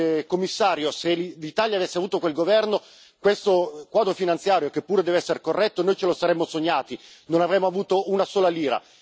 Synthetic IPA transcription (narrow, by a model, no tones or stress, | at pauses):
komːisːaːɾjoselit̪aːljaːvesːeavuːt̪okwelɡovɛrno | kwest̪okwaːd̪ɾofinant̪sjaːɾjokepːuːɾed̪ɛːveɛsːeɾekorːɛt̪ːonoːjt͡ʃelosaɾɛmːosoɲːaːt̪inonavɾɛːmːoavuːt̪ounasoːlaliːɾa̰